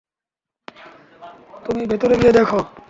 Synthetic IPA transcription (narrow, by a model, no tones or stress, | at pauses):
t̪umibet̪oɾeɡied̪ekʰo